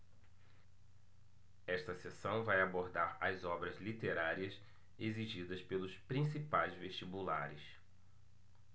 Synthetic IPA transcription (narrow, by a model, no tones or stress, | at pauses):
ɛʃt̪ɐsesɐ̃w̃vajaboɾd̪aɾɐzɔbɾɐzlit̪eɾaɾiɐs | eziʒid̪ɐspelʊspɾĩsipajzveʃt͡ʃibula̰ɾɪs